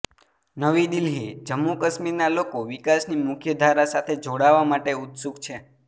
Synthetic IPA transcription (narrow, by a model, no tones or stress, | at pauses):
nəʋid̪ilɦid͡ʒəmːukəsmiɾnalokoʋikasnimʊkʰjəd̪ʱaɾasat̪ʰed͡ʒoɽaʋamaʈeut̪suɡt͡ʃʰe